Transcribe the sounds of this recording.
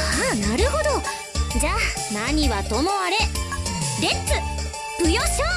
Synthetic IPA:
anaɾɯ̟ho̞d̪o̞ | d͡ʑaː | naɲ̟iβat̪omoaɾe̞ | ɾe̞t͡sɨ | pɯ̟joɕoː

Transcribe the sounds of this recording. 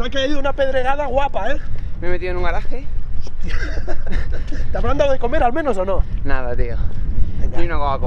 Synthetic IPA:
nakeiðunape̞ðɾe̞ɣaðaɣwapaememet̪ionũŋɡaɾaxeot̪ja | t̪eaβɾand̪aðeko̞me̞ɾalmẽ̞no̞sonõ̞naðat̪ioeŋɡaiunokoŋako

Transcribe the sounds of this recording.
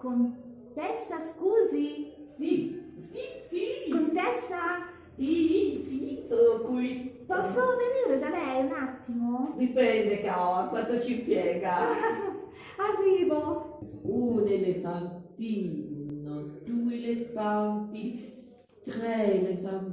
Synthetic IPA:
kont̪ɛsːaskuːzisisisikont̪ɛsːa | sisisolokuipɔsoveniɾezamɛjunat̪ːimoɾipɾɛnd̪ekakːwant̪ot͡ʃipjɛːɡa | arːiːvo | unelefant̪inod̪̥uelefant̪i | t̪ɾɛelefan

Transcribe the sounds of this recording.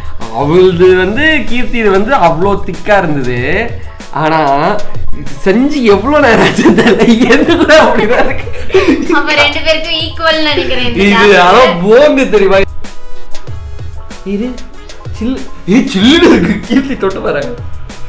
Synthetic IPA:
ɐ̰ʋɐŋɡɐɭðɯʋɐnd̪ɯkiːɾt̪iðɯʋɐnd̪ɯɐʋɐɭoːt̪ɪkːaːɪɾɯnd̪ɐðɯ | ʔaːnaː | sɛɲd͡ʒiɛʋːɐɭoːneːɾaːt͡ʃːɐt̪ːɐlːɛðɯlːãɐpːɐɽɪɾaːɪɾɯkːɯɐpːɐɾɛɳɖɯpeːɾkːɯ̃iːkːʋoːlnɐɽɪkːɪɾɐnɪðɯɐðãːpoːnd̪ɯt̪̬ɛɾɪjmaː | ɪðɯ | t͡ʃɪlːet͡ʃɪlːɯɾɐðɯkːɯkiːɾt̪it̪ɔʈːɯpɐːɾaːŋɡɐ

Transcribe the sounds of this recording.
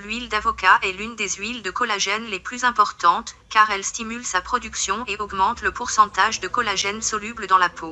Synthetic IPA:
lɥild̪avɔkaʔɛlynd̪ezɥild̪əkɔlaʒɛnleplyzɛ̃pɔʁt̪ɑ̃t̪ | kaʁɛlst̪imylsapχɔd̪yksjɔ̃eɔɡmɑ̃t̪ləpuʁsɑ̃t̪aʒd̪əkɔlaʒɛnsɔlybləd̪ɑ̃lapʰo

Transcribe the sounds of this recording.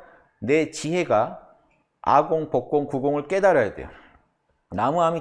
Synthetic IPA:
ne̞t͡ɕiɦe̞ɡa | a̰ɡoŋpok̚k͈oŋkuɡoŋɯɭk͈edaɾajade̞̰jo | namuami

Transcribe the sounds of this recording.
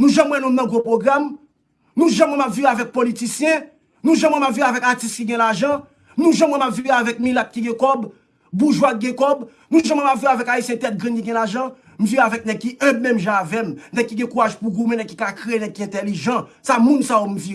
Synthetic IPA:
nũʒãmwɛ̃nũmnːɐ̃ɡopʁoɡʁam | nũʒãmwɛ̃mapviavɛk̚politisjɛ̃ | nũʒãmwɛ̃mapviavɛkatist̪̚kiɡɛ̃laʒʌ̃ | nũʒãmwɛ̃mapviavɛk̚milat̪̚kiɡɛ̃kɔb | buʒwak̚ɡɛ̃kɔb | nũʒãmwɛ̃mapviɣavɛkaisjɛ̃t̪ɛt̪̚ɡʁĩnkiɡɛ̃laʒɑ̃ | m̩viavɛk̚nɛɡ̚kiʔɛbmɛ̃mʒãːvɛmnɛɡ̚kːiɡɛ̃kuʁaʒpuɡumɛ̃nɛɡ̚ki̥kakʁeenɛ̃ɡ̚kiɛ̃t̪eliʒãsamũnsajom̩vi

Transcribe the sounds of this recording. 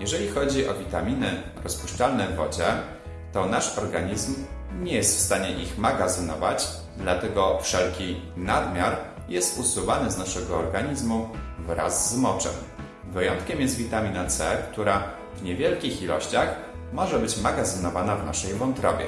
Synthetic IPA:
jɛʐɛlʲixɔd͡ʑiʔɔvʲit̪amʲinɘ | ɾɔspuʂt͡ʂalnɛvɔ̰d͡ʑɛ | t̪ɔnaʂɔɾɡaɲizmɲɛjɛst̪fst̪aɲɛʔixmaɡazɘnɔva̰t͡ɕ | d̪lat̪ɛɡɔfʂɛlkʲinad̪mʲjaɾ | jɛst̪usuvanɘznaʂɛɡɔɔɾɡaɲizmuvɾa̰zːmɔt͡ʂɛ̰m | vɘjɔnt̪kʲɛmjɛst̪vʲit̪amʲinat̪sɛkt̪uɾa | vɲɛvʲjɛlkʲixilɔɕt͡ɕax | mɔʐɛbɘt͡ɕmaɡazɘnɔvanavna̰ʂɛjvɔnt̪ɾɔ̰bʲjɛ̰

